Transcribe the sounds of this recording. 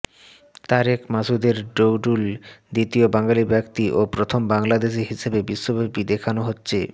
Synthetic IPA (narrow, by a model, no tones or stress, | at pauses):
t̪aɾɛkmasud̪eɾɖowɖuld̪it̪iobaŋɡalibɛkt̪iʔopɾot̪ʰombaŋlad̪eʃ̬iɦiʃebebiʃːobebid̪ekʰanoɦotːɕʰe